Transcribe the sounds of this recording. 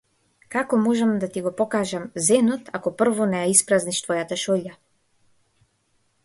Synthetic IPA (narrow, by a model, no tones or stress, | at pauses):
kakɔmɔʒɛmd̪at̪iɡɔpɔkaʒamzɛnɔt̪akɔpr̩vɔnɛjaispɾazniʃt̪vɔjat̪aʃɔʎa